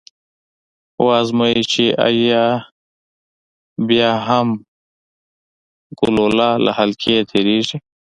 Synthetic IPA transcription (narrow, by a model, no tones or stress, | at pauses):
wazmait͡ʃiʔa̰ja | bjaːɦam | ɡʊlolaːlʔa̰halkʰet̪ʰeɾiʐi